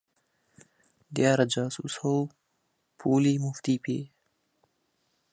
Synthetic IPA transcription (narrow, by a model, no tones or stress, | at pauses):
d̪jaːɾad͡ʒɑːsṵshow | pʰulimʊft̪ipḛː